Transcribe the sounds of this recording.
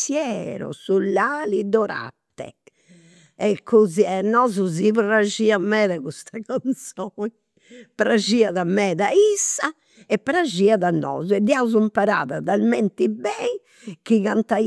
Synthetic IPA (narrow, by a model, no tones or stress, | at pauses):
sjɛɾɔ̰sulːaːlid̪ɔɾa̰t̪ːɛ̰ | ɛkʰːuziɛnːɔzuziβɾad͡ʒiːamɛːðaɣust̪akant̪sɔɲ | pɾaʒiːaðamɛːðaisːa | ɛpːɾad͡ʒiaðanːɔ̰ːzɔɛd̪iauzumpaɾa̰ːðaðalmɛnt̪ibɛi | kiɣant̪a